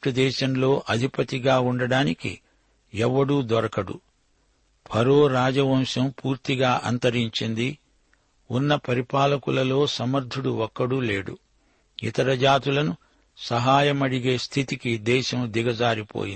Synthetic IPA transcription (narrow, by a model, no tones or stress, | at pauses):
ʈud̪ɛːʃɐmlo̞ːʔɐd̪ʱipɐt̪iɡaːuɳɖɐɽaːnikḭ | ɛʋːɐɽuːd̪ɔɾɐkɐɽṵ | pʰɐɾoːɾaːd͡ʒɐʋɐmʃɐmpuːɾt̪iɡaːʔɐnt̪ɐɾiɲt͡ʃind̪i | unːɐpɐɾipaːlɐkulɐlo̞ːsɐmɐɾd̪ʱuɽuɔkːɐɽuleːɽṵ | ḭt̪ɐɾɐd͡ʒaːt̪ulɐnu | sɐɦaːjɐmɐɽiɡe̞ːst̪ʰit̪ikid̪ɛːʃɐmd̪iɡɐd͡ʒaːɾipo̰ːjin